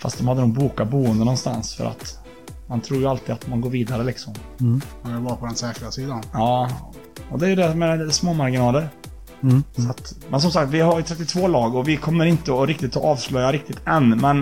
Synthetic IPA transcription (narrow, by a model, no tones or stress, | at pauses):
fa̰st̪̚d̪ɔmhad̪ːənuːɡ̚buːkabuːənd̪ənɔnst̪a̰nsfœ̰ɾʔa̰t̪ | mant̪ʰɾuːjəalt̪iːd̪at̪manɡoːɾviːd̪aɾəlɪksɔmɛɪlvapʰɔd̪ɛnsɛːkɾasiːd̪anɑː | ɔd̪ɛæɾjɵd̪ɛmɛsmoːmaɾɡɪnɑːləɾ | sat̪mɛns̬ɔmsakt̪vɪhaɾjɵt̪ʰɾɛt̪ːɪt̪ʰvoːlɑːɡɔvɪkʰɔmːəɾɪnt̪əɔɾɪk̚t̪ɪt̪ːɔʔɑːvslœjaɾɪkt̪ɪt̪ɛnːmɛn